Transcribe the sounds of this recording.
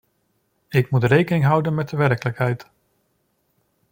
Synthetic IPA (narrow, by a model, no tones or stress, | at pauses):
ɪkmutrejkənɪŋɦʌwdənmɛt̚dəʋɛɹkələkɦɛjt